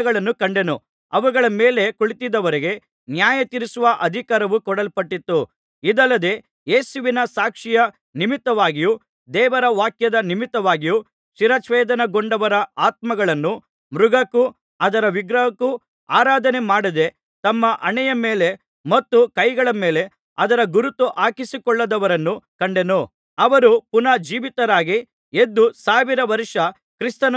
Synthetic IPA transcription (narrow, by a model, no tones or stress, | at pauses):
ɐɡɐɭɐnːukɐɳɖe̞nu | ɐʋuɡɐɭɐmeːle̞kuɭit̪id̪ɐʋɐɾeɡe̞ | njaːjɐt̪iɾisuʋɐʔɐd̪ʱikaːɾɐʋukɔɽɐlpɐʈːit̪ːu | id̪ɐlːɐd̪e̞ː | jeːsuʋinɐsaːkʂijɐ | nimit̪ːɐʋaːɡiju | d̪ɛːʋɐɾɐʋaːkjɐd̪ɐnimit̪ːɐʋaːɡiju | ʂiɾɐt͡ʃʋɛːd̪ɐnɐɡoɳɖɐʋɐɾɐaːt̪̚mɐɡɐɭɐnːu | mɾuɡɐku | ɐd̪ɐɾɐʋiɡɾɐɦɐku | a̰ːɾaːd̪ɐnemaːɽid̪e̞ | t̪ɐmːɐʔɐɳɛjɐmeːle̞ | mɐt̪ːukɐjɡɐɭɐmeːle̞ | ɐd̪ɐɾɐɡuɾut̪ːuʔaːkisikɔɭːɐd̪ɐʋɐɾɐnːukɐɳɖe̞nu | ɐʋɐɾupunɐd͡ʒiːʋit̪ɐɾaːɡi | e̞d̪ːusaːʋiɾɐʋɐɾʂɐ | kɾist̪ɐn